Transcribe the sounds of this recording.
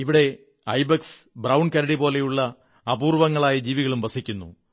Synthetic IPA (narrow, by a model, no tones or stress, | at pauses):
iʋiɽe̞ | ɐjbɐksbrɐwɳɖkɐɾɐɽibo̞ːle̞juɭːɐː | buːrʋɐŋːɐɭaːjɐd͡ʑiːʋiɣɐɭumʋɐsikʲːunːṵ